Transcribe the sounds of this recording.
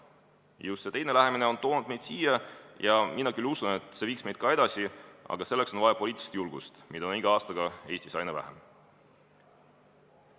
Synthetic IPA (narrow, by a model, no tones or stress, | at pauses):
just̪se̞t̪ejne̞læɦe̞mine̞o̞nt̪o̞ːnud̪̚me̞jd̪̥siːjɑjɑminːɑkylusune̞t̪ˑse̞viːksme̞jd̪̥̚kɑe̞d̪̥ɑsʲiɑ̰ɡ̥ɑse̞lːe̞kso̞nvɑjɑpo̞liːt̪ilist̪julɡ̥ust̪mid̪oniɡ̥ɑɑːst̪ɑɡ̥ɑe̞ːsʲt̪isɑjnɑvæ̰ɦḛm